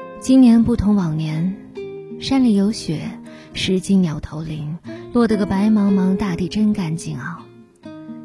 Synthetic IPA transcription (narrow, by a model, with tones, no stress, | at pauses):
t͡ɕi˥nnjɛ˧˥npu˥˩t̪ʰʊ˧˥ŋwɑ˨˩ŋnjɛ˧˥n | ʂa˥nli˨˩jo˧˥ʊɕɥɛ˨˩˦ | ʂɻ̩˧˥t͡ɕi˥nnjɑ˨˩ʊt̪ʰo˧˥ʊli˧˥ŋlwɔ˥˩d̪ə˥˩ɡə˩pa˧˥ɪmɑ˧˥ŋmɑ˧˥ŋt̪a˥˧t̪i˥˩ʈ͡ʂə˥nka˥˧˩nt͡ɕi˥˩ŋɑ˥˩ʊ